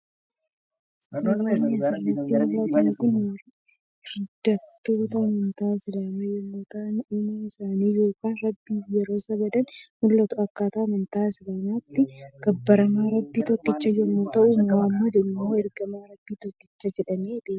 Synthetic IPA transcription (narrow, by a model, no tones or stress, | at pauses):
mɐnasɐrːɐt̪ːɪɐlaːt̪ɐnkʊnjɐɾ | ɾɪd̪̥ɐft̪oːt̪ɐmɐnt̪aːsɪdamɐjɛmːoːt̪ɐɐnumɐɪsaːniːjo̞ːkaːnɾɐbːiːjɛɾo̞ːsɐbɐd̪ɐnmʊlːɐt̪ʊɐkːaːt̪ɐːmɐnt̪aːsɪɾɐnaːt̪ːɪɡ̥ɐbːɐɾɐmaːɾɐbːiːt̪ɔkːɪt͡ʃːɐjɛmːoːt̪ɐʔʊmaːmːod̪ɛnɪmːoːɛɾɡɐmaːɾɐbːiːt̪ɔkʼːɪ̥t͡ʃːɐd͡ʒɛᶑɐneːd̪eː